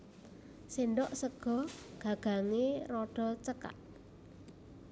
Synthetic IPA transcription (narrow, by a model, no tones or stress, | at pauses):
sinɖɔʔsəɡ̥ɔ̤ɡ̥ä̤ɡ̥a̤ŋeɾɔɖ̥ɔ̤t͡ʃəka̰t̪̚